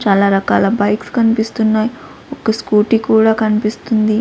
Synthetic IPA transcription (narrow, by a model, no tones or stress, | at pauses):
t͡ʃaːlaːɾɐkaːlɐbɐjkskɐnipist̪unːaːj | okɐskuːʈikuːɽaːkɐnipist̪und̪i